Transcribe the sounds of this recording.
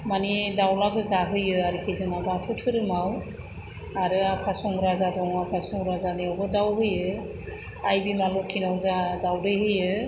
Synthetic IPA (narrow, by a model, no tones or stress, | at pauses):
manidawlaɡɯzaɦɯjɯaɾikʰizɯnabaatʰutʰɯɾɯmaw | aɾɯakʰasɔŋɾazadɔŋakʰasɔŋɾazaniɔbɔdawɦɯjɯ | ajbimalɔkʰinawzadawdɯjɦɯjɯ